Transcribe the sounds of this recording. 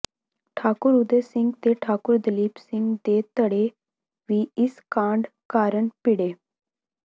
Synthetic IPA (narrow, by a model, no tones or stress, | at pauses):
ʈʰaːkʊɾʊd̪esɪ̃ŋɡt̪eʈʰaːkʊɾd̪əliːpsɪ̃ŋɡd̪eːt̪əɽeː | ʋiːɪskãːɳɖkaːɾəɳpɪɽeː